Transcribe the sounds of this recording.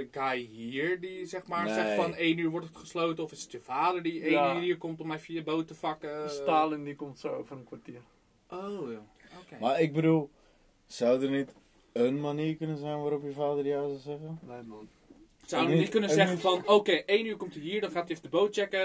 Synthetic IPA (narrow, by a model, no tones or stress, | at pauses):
əkajɦiɹdisɛxmaːɹsɛxfɔneːnyːɹʋɔɹtətχəslowtənɔfɪsə̥tjəfaːdəɹdieːnːiːɹkomtɔmɛfjəjəbowtəfakəstaːləndikomtsoofərənkʋatiər | o | okmaɪɡ̚bədulˠ | sawdərnɛt | ənmaniərkønənzɛjnʋaːɾɔpjəfaːdərjawsəzɛɣə | sawənitkønənzɛχənfɔnoːkeːʔeːnyːɹkomtəɦiːɹdɔnχaːtjɪfədəbowt̚t͡ʃɛkə